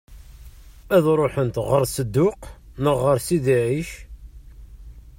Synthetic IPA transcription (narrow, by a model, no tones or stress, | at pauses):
æðɾˤoħənt̪ʁəɾsəd̪ːʊqnəʁːəɾsiðiʕiʃ